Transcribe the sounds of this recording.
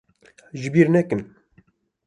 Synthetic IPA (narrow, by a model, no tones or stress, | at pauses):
ʒɪbiːɾnɛkɨn